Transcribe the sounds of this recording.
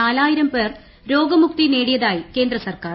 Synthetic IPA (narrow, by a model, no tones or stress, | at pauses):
aːlaːjiɾɐmpe̞ːr | ɾo̞ːɡɐmuk̚t̪ine̞ːɽijɐðaːjike̞ːnd̪ɾɐsɐrkaːr